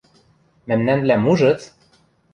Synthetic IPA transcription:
mæmnænblæmuʒɤ̆t̪

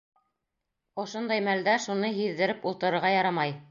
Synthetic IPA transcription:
ŏʃond̪ɑjmæld̪æʃunɤɦiðːɘ̆ɾɘpulˠt̪ɤ̆ɾɤ̆ɾʁɑjɑɾɑmɑj

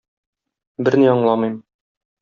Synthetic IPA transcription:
bɘɾniɒɴlˠɑmɤjm

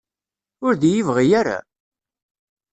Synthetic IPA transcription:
ʊɾðijivʁijaɾa̰

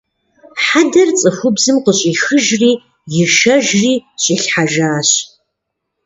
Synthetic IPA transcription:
ħadɐrt͡sʼɨxʷʊbzɨmqəɕʼixɨʒriː | jɪʃɐʒriːɕʼiɬħaʒaːɕ

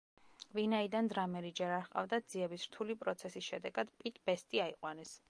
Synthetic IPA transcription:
vinaid̪and̪ɾamɛɾid͡ʒɛɾaɾqʼa̰vd̪ad̪z̥iɛbisɾt̪ʰulipʼɾɔt̪sʰɛsisʃɛd̪ɛɡad̪pʼit̪ʰʼb̥ɛst̪ʼiaiqʼwanɛs

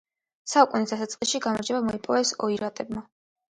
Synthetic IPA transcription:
saukʼunisd̪asat̪sʼqʼisʃiɡamaɾd͡ʒɛbamɔipʼɔvɛsɔiɾat̪ʼɛbma

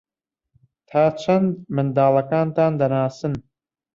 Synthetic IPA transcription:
t̪ʰaːt͡ʃʰɐnd̪̚mɨnd̪aːlɐkaːnt̪aːnd̪ɐnaːsɨn

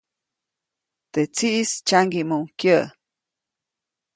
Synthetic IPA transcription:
t̪et͡siʔist͡ʃaŋɡimuŋkjə

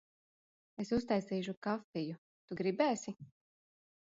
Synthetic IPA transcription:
esust̪ajsiːʃ̬ukafiju | t̪uɡɾibæːsi

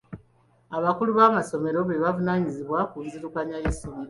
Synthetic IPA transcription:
aβakuluβaːmaso̞me̞ɾo̞βeβavunaːɲiziβwakunziɾukaɲajeso̞meɾo

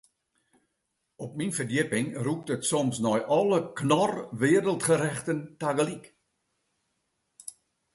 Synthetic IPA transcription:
ɔp̚minfərdɪpɪŋruk̚tətsɔmsnɔjʔɔləknɔrʋɪːɾəlˠtχəɾɛχtəntaɡəlik

